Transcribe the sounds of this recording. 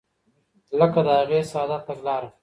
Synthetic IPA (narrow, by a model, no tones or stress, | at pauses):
ləkad̪əaɣeːsɑːd̪at̪ɐɡlɑːɾa